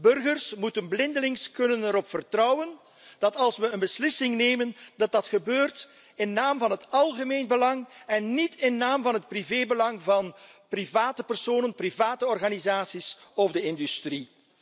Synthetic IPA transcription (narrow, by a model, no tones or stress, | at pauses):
bɵrɣərsmutənblɪndəlɪŋskɵnənəɾɔpfərtrɔwən | d̥ɑtɑlˠsʋəənbəslɪsɪŋneːməndɑt̚dɑtxəbøːrt | ɪnːaːmvɑnɦətɑlˠɣəmeːnbəlɑŋɛnːitʰɪnːaːmvɑnɦət̚priveːbəlɑŋvɑnprivaːtəpərsoːnənprivaːtəɔrɣaːnizaːsisɔvdəɪndystri